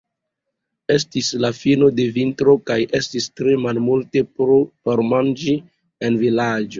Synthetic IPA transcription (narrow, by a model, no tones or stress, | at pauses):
e̞s̬tislafino̞de̞vintɾo̞kajʔe̞stistɾe̞malmulte̞opoɾmand͡ʒi | envilad͡ʒo